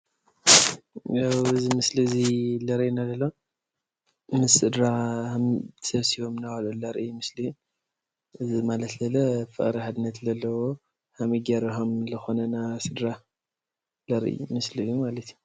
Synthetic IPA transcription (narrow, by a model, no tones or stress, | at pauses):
jawɨzimɨsliɨzilɐɾejnadɐlːo | mɨsɨd̪ɾa | t̪ʰsɐβsiβomɨnawlolɐɾʔɨjːumɨsliu | ʔɨzimalɐt̪lɐlɐfɨ̰ʔʼɾihad̪ɨnɐt̪zɐlːɐwo | hamɨɡaɾiɦomzɨxo̞nɐnasɨd̪ɾa | lɐɾʔɨ̰mɨsliɨjːumalɐt̪ʰju